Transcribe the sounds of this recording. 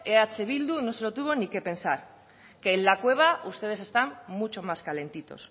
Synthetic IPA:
eat͡se̞β̞ild̪uno̞se̞lot̪uβo̞nike̞pe̞nsaɾ | ke̞ːllakwe̞β̞aust̪e̞ð̞e̞s̬e̞st̪amːut͡ʃo̞maskale̞nt̪it̪o̞̰s

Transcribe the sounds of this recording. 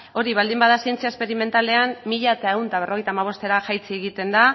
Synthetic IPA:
o̞ɾiβ̞ald̪imbaðasie̞nt͡siaespe̞ɾime̞nt̪ale̞ammiʎaet̪ae̞wnt̪aβerʔo̞ɣjt̪amaβ̞o̞st̪e̞ɾaʝajt͡sieɣit̪e̞nd̪a

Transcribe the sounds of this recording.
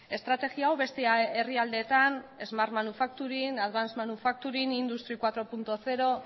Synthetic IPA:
e̞st̪ɾat̪e̞ɣiawβe̞st̪eaeriald̪e̞ːt̪ane̞zmaɾmanufak̚t̪uɾinaðβansmanufak̚t̪uɾinind̪ust̪ɾikwat̪ɾo̞punt̪oθe̞ɾo̞

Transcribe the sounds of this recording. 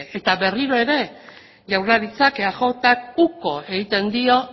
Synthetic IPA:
ʔet̪aβe̞riɾo̞e̞ɾe̞ | ʝawraɾit͡sakeaxo̞t̪ak̚uko̞e̞ɣit̪e̞nd̪io̞

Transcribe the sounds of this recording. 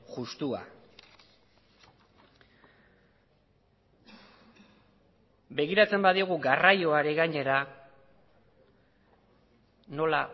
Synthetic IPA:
ɣust̪ua̰ | be̞ɣ̞iɾat͡se̞mbaðioɣ̞uɡarajo̞aɾe̞ɣaɲe̞ɾa | no̞la

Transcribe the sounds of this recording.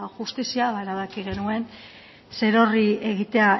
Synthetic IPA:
ʝust̪isiaβaeɾaβ̞akiɣ̞e̞nue̞n | se̞ɾo̞rie̞ɣ̞it̪e̞a

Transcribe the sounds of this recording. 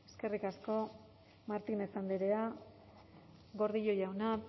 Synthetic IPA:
e̞ske̞rikasko̞ | maɾt̪inesand̪iɾea | ɡo̞ɾðiʎo̞jawna

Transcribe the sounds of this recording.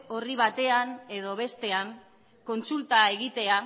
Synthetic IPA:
o̞riβ̞at̪e̞ane̞ð̞o̞β̞e̞st̪e̞aŋ | ko̞nt͡sult̪ae̞ɣ̞it̪e̞a

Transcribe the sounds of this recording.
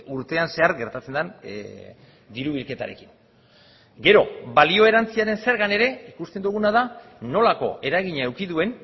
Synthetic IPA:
uɾt̪e̞anse̞aɾɡe̞ɾt̪at͡se̞nd̪an | d̪iɾuβilke̞t̪a̰ɾe̞̰ki̥n | ɡe̞ɾo̞balio̞e̞ɾant͡siaɾe̞nse̞ɾɣane̞ɾe̞ikust̪e̞nd̪uɣ̞unað̞a | no̞lako̞̰e̞ɾaɣiɲaewkiðue̞n

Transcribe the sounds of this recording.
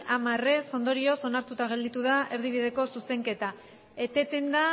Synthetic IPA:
amare̞so̞nd̪o̞ɾio̞so̞naɾt̪ut̪aɣ̞e̞ld̪it̪uðaʔe̞ɾðiβiðe̞ko̞suse̞ŋke̞t̪a | et̪e̞t̪e̞nd̪a

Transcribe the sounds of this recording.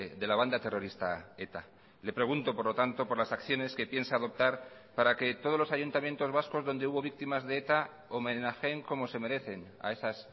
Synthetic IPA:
ðe̞laβ̞and̪at̪e̞ro̞ɾist̪a̰et̪a | le̞pɾe̞ɣ̞unt̪opo̞ɾlo̞t̪ant̪o̞po̞ɾlasakθjo̞ne̞ske̞pje̞nsaːð̞o̞p̚t̪aɾ | paɾake̞t̪o̞ð̞o̞lo̞saʝunt̪amje̞nt̪o̞zβasko̞zðo̞nd̪euβo̞β̞ik̚t̪imazðe̞et̪a | omẽnaxe̞ŋko̞mo̞se̞me̞ɾe̞θe̞n | a̰e̞sas

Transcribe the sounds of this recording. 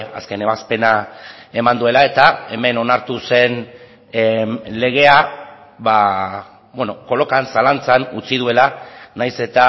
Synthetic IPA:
a̰ske̞ne̞βaspe̞nae̞mand̪ue̞lae̞t̪ae̞me̞no̞naɾt̪use̞n | le̞ɣ̞e̞a | βa | bweno̞ko̞lo̞kansalant͡sanut͡sið̞ue̞lanajse̞t̪a

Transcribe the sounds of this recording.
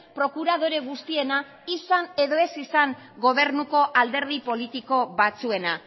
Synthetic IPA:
pɾo̞kuɾaðo̞ɾe̞ɣ̞ust̪ie̞na | isane̞ðo̞e̞sisaŋ | ɡo̞β̞e̞ɾnuko̞ʔald̪e̞ɾð̞ipo̞lit̪iko̞βat͡sue̞na

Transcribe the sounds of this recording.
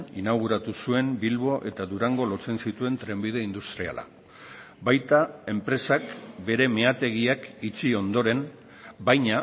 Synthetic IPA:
inaɣ̞uɾat̪usue̞mbilβo̞ʔe̞t̪aðuɾaŋɡo̞lo̞t͡se̞nsit̪ue̞nt̪ɾe̞mbið̞e̞ind̪ust̪ɾia̰la̰ | bajt̪ae̞mpɾe̞sakbe̞ɾe̞me̞at̪e̞ɣ̞iakit͡sio̞nd̪o̞ɾe̞m | bajɲa

